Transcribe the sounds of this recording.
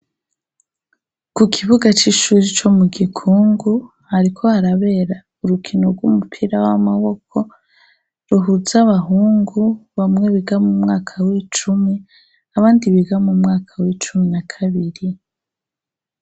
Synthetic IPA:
kukʰiβuɡat͡ʃiʃuːɾit͡ʃo̞muɡikʰuːŋɡu | haɾikʰo̞haɾaβe̞ɾa | uɾukʰinoɾɡwṵmupʰiɾawa̰maβo̞kʰo̞ | ɾuɦuzaβaɦuːŋɡuβamŋe̞βiɡamumŋaːkʰawit͡ʃumi | aβaːndiβiɡamumŋaːkʰawit͡ʃuminakʰaβiɾi

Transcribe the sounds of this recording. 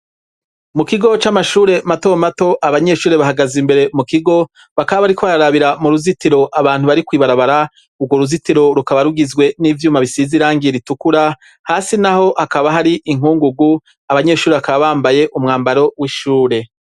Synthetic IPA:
mukiɡo̞t͡ʃamaʃuːɾe̞mato̞mato̞ʔaβaɲe̞ʃuːɾe̞βaɦaɡazimbe̞ɾe̞mukiɡo̞ | βakaβaβaɾikʰoβaɾaɾaβiɾamuɾuzitiɾo̞ʔaβaːn̥huβaɾikwiːβaɾaβaɾa | uɡwo̞ɾuzitiɾo̞ɾukaβaɾuɡizɡwe̞niːvjuːmaβisiziɾaːŋɡiɾitukuɾa | haːsinaho̞ʔakaβaɦaɾiʔiŋuːŋɡuɡu | aβaɲe̞ːʃuːɾeβakaβaβaːmbaje̞ʔumŋaːmbaɾo̞wiʃuːɾe̞

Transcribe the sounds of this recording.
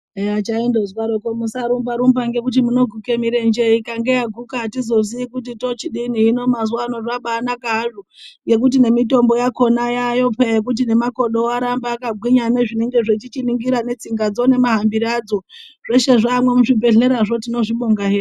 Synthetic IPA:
eat͡ʃaindozwaɾokomusaɾumbaɾumbaŋɡe̞k̬ut̬imuno̞ɡʱukemiɾe̞nd͡ʒeikaŋɡe̞jaɡʱukatizo̞ziikut̬ito̞t͡ʃiɗiniːno̞mazuwanoraɓaːnakaɦaʐoŋɡe̞k̬ut̬ine̞mito̞mbo̞jako̞najajo̞pejek̬ut̬ine̞mako̞ɗo̞aɾambaːkabʱwiɲaneʐine̞ŋɡe̞ʐet͡ʃit͡ʃiniŋɡiɾane̞t͡siŋɡad͡zo̞ne̞maɦambiɾad͡zo̞ | ʐ̥e̞ʃe̞ʐamwe̞muʐibe̞ɮe̞ɾaʐo̞tino̞ʐiɓoŋɡaɦeːr

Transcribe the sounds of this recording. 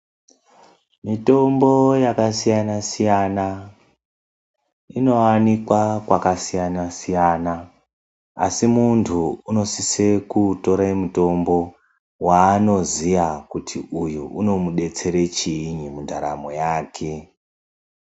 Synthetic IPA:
mito̞mbo̞jakasijanasijana | ino̞anikwakwakasijanasijana | a̰simuntʰuuno̞sisekuto̞ɾaimuto̞mbo̞ | waːno̞zijakutʰiʔujuʔuno̞muɗe̞t͡se̞ɾe̞t͡ʃiːɲimundʱaɾa̰mo̰jaːkʰe̞

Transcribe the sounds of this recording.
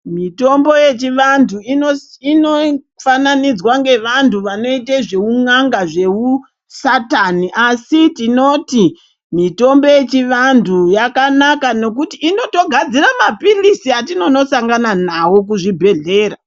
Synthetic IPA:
mito̞mbo̞je̞t͡ʃiʋantʰuinoino | fananid͡zwaŋɡe̞ʋantuʋano̞it̬eʐe̞uŋaŋɡaʐe̞u | sataniʔasitino̞ti | mito̞mbo̞je̞t͡ʃiʋantʰujakanakano̞k̬utiːno̞to̞ɡʱad͡ziramapilisiatino̞no̞saŋɡananawo̞k̬uʐibʱe̞ɮe̞ːɾa

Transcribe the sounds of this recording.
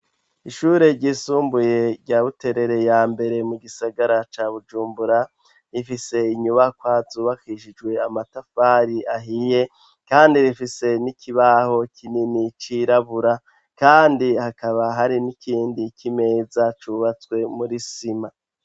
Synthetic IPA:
iʃuɾe̞ɾɟiːsuːmbuje̞ɾɟaβute̞ɾe̞ɾe̞jaːmbe̞ɾe̞muɡisaɡaɾat͡ʃaːβud͡ʒuːmbuɾa | ɾifise̞iɲuβakwaːzuβakiʃid͡ʒɡwe̞amatafaɾiʔaɦije̞ | kaːndiɾifise̞nikʰiβaho̞kʰininit͡ʃiɾaβuɾa | kaːndihakaβaɦaɾinikiːndikʰime̞ːzat͡ʃuβat͡swe̞muɾisima

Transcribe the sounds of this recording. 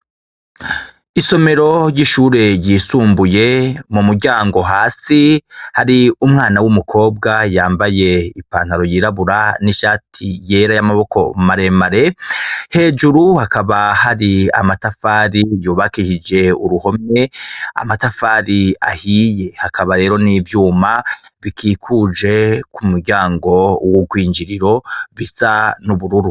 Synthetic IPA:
iso̞me̞ɾo̞jiʃuːɾe̞ɾjiːsuːmbuje̞mumuɾɟaːŋɡo̞ɦaːsihaɾiumŋaːnawumukʰo̞ːb̚ɡajaːmbaje̞ipa̰ːn̥haɾo̞jiɾaβuɾaniʃaːtʰije̞ːɾajamaβo̞kʰo̞̰maɾe̞maɾe̞he̞ːd͡ʒuɾuhakaβahaɾia̰matafaːɾijuːβakiʃid͡ʒe̞uɾuho̞me̞a̰matafaːɾia̰hiːje̞hakʰaβaɾe̞ːɾo̞nivjuːmaβikʰiːkʰud͡ʒe̞kumuɾɟaːŋɡo̞woɡwiːɲd͡ʒiɾiɾo̞βisanuβuɾuɾu

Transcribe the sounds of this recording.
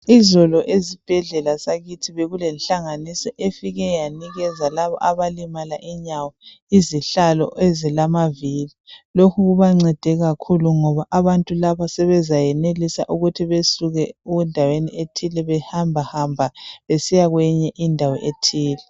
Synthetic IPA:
izɔlɔʔezib̥ʱɛɮɛlasaɣitʰiβeɣulɛnɬaŋanisɔʔefiɣɛjaniɣɛzalaβɔ̰ʔaβalimalaʔiɲawɔ | iziɬalɔ̰ʔezilamavililokʰuɣuβaŋ͡ǀɛd̥ʱɛɣakʰuluŋɔβaʔaβantʼulaβasɛβɛzajɛnelisa̰ʔuɣutʰiβesuɣɛuundʱawenḭetʰilɛβɛhambʱahambʱaβesijaɣwɛɲɛʔindʱawɔ̰ʔetʰiːlɛ

